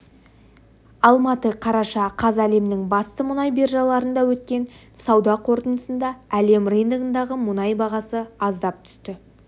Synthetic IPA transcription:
ɑlˠmɑt̪əqʰɑɾɑʃɑqʰɑzæle̞mnɪŋbɑst̪əmʊnɑjbe̞rʒɑlˠɑɾənd̪ɑwɵt̪̚kʲe̞nsɑwd̪ɑqʰo̞ɾt̪ənəsənd̪ɑæle̞mrejnd̪əɡənd̪ɑʁəmʊnɑjbɑʁɑsəɑzd̪ɑp̚t̪ʰʏ̥st̪ɪ

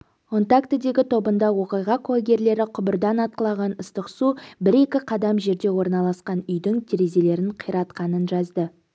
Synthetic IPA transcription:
kʰont̪akt̪ɪd̪e̞ɡʲɪt̪ʰo̞bənd̪ɑwo̞qijʁɑqlˠaɡʲe̞ɾle̞ɾɪqʰʊbɪɾd̪ɑnɑt̪̚qəlˠɑʁɑnəst̪əqsubɪɾe̞kʲɪqʰɑd̪ɑmʒe̞ɾd̪e̞wo̞ɾnɑlˠɑsqɑnʏjd̪ɪŋt̪ʲʰe̞ɾe̞ze̞le̞ɾɪɴqʰəjɾɑt̪qɑnənʒɑzd̪ə

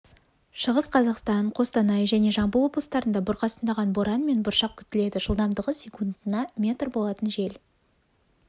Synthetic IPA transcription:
ʃəʁəsqʰɑzɑqst̪ɑɴqʰo̞st̪ɑnɑjʒæne̞ʒɑɴbəlˠwoblˠəst̪ɑɾənd̪ɑbʊɾqʰɑsənd̪ɑʁɑnboɾɑnme̞nbʊɾʃɑq̚kʲʰʏ̥t̪ɪle̞d̪ɪʒəlˠd̪ɑmd̪əʁəsʲekund̪ənɑmʲe̞t̪rbo̞lˠɑt̪ənʒe̞l

